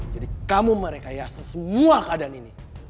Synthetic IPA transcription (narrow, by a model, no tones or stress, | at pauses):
d͡ʒadikamuməɾekajasansəmuakadanini